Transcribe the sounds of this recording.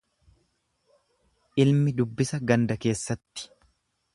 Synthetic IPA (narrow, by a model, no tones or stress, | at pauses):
ʔɪlmɪd̪ʊbːɪsɐɡɐnd̪ɐke̞ːsːɐt̪ːɪ̥